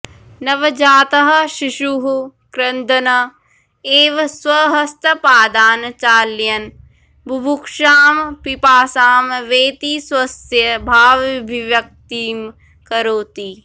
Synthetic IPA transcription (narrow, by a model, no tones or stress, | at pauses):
nɐʋɐd͡ʒaːt̪ɐɦɐ̆ʃiʃuɦkɾɐnd̪ʱɐnɐ | eːʋswɐɦɐst̪ɐpaːd̪aːnt͡ʃaːljɐn | bʱubʱukʃaːmpipaːsaːmʋeːt̪iswɐsjɐbʱaːʋibʱiʋjɐk̚t̪iːm | kɐɾoːt̪i